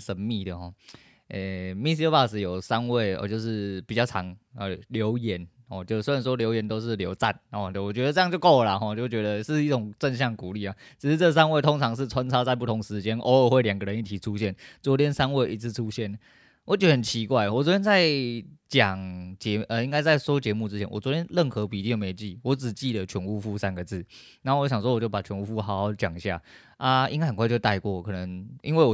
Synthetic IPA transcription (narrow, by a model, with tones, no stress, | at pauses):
ʂə˧˥nmi˥˩d̪ə˩xɔ̰˥˩ | ʔe˥˧mi˥s̬i˥pa˥˩s̩˨˩jo˨˩ʊsa˦nwe˥˩ɪɔ̰˧t͡ɕjo˥˧ʊʂɻ̩˥˩pi˨˩t͡ɕɑ˥˩ʊt͡sʰɑ˨˧˥ŋə˧˩ljo˧˥ʊjɛ˧˦nhɔ̰˥˧˩t͡ɕjo˥˧ʊse˥˧a˨nʂwɔ˥ljo˧˥ʊjɛ˧˥nt̪o˥ʊʂ̬ɻ̩˥˩ljo˧˥ʊt͡sa̰˥˩nhɔ˨˩˥wɔ˨˩t͡ɕɥɛ˧˥d̪ə˧t͡sɤ˥˧jŋt͡ɕjo˥˧ʊko˥˩ʊ˨la˨xɔ˥˧˩t͡ɕjo˥˩ʊt͡ɕɥɛ˧˥d̪ə˧ʂɻ̩˥˧i˥˩ʈ͡ʂʊ˨˩ŋt͡sə˥˧nɕ̬jɑ˥˩ŋku˨˩li˥˩a˨˩t͡ɕʰi˨˩ʂ̩˥˧t͡sɤ˥˩s̬a˥nwe˥˩ɪo˥ŋt͡sʰɑ˧˥ŋʂ̬ɻ̩˥˧t͡sʰwa˦nt͡sʰɑ˥ʊt͡sa˥˧ɪp̬u˥˩t̪ʰo˧˦ŋʂɻ̩˧˥t͡ɕjɛ˥nʔə˧˦wɔ˨˩xwe˥˩ɪljɑ˨˩ŋɡə˨ɻə˧˦ni˥t̪ʰi˨˩ʈ͡ʂʰu˦ɕjɛ˥˩nt͡swɔ˧˥t̪ʰjɛ˥nsa˥nwe˥˩ɪʔi˧˥t͡sʰɹ̩˥˧ʈ͡ʂʰu˥ɕjɛ˥˩n | wɔ˨˦t͡ɕɥɛ˧˥də˩ɦə˨˩nt͡ɕʰi˧˥kwa˥˩ɪwɔ˨˩wɔ˧˥tʰjɛ˥nt͡sa˥˩ɪt͡ɕjɑ˨˩ŋt͡ɕɛ˧˦˥ʔə˧i˥ŋka˥ɪt͡sa˥˩ɪʂo˥ʊt͡ɕjɛ˧˥mu˥˩ʈ͡ʂɻ̩˥t͡ɕʰɛ˧˦nwɔ̰˨˩t͡swɔ˧˥t̪ʰjɛ˥nlə˥˩nxɤ˧˥pi˨˩t̪i˥˩˧jme˧˨˩t͡ɕi˥˩wɔ˧˦˥ʈ͡ʂɻ̩˨˩t͡ɕi˥˩d̪ə˨˩t͡ɕʰɥɛ˧˥nu˥˧fu˥˧sa˦˥nɡə˨t͡sɹ̩˥˩na˨˧˥o˥˩wɕɑ˨˩ŋʂwɔ˥wɔ˨˩t͡ɕjo˥˩ʊpa˨˩t͡ɕʰɥɛ˧˥nu˥˩fu˥˩xa˨˥ʊ˧hɑ˧˥ʊt͡ɕjɑ̰˨˩ŋ˨ɕja̰˥˩ | a˦˧ḭ˥ŋka˥ɪxə˨˩kʰwt͡ɕo˥˧ʊt̪a˥˧ɪkwɔ˥˩kʰɤ˨˩nə˧˦ŋʔḭ˥nwe˥˩ɪwɔ˨˩